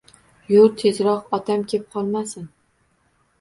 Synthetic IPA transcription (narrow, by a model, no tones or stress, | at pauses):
jʊɾt̪ʰezɾɒqɒt̪ʰamkʲʰep̚qʰɒlˠmasɪn